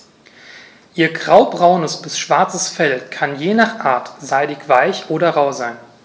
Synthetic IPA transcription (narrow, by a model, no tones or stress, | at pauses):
ʔiːɐɡʁaʊbʁaʊnəsb̥ɪsʃv̥aɐt͡səsfɛlkʰanjeːnaːχʔa̰ːɐtz̥aɪdɪkv̥aɪçʔoːɾɐʁaʊzaɪn